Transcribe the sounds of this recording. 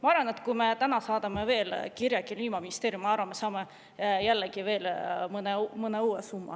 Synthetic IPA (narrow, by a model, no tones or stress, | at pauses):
mɑɑɾvɑne̞t̪kujme̞t̪ænɑsɑːd̪ɑmeve̞ːlkiɾjɑkiliːmɑminist̪eːɾjumːɑɑrvɑmesɑːme | jælːeɡive̞ːlmɤnemɤneuːesumːɑ̰